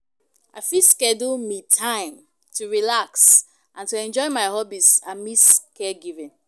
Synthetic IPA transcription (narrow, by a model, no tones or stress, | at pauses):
a̰fiskɛdulmitʰãɪ̃m | tʰuɹilaks | ʔãntuɛ̃nd͡ʒɔɪmaɪhɔbisamiskɛɡivɪ̃n